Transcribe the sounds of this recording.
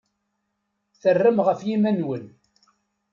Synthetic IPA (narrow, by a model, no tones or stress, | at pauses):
θərːəmʁəfjimænwən